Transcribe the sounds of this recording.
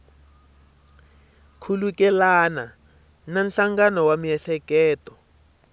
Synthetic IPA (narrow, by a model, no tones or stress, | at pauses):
kʰulukɛlana | nanɬaŋɡanɔwamiɛɬɛkɛːtɔ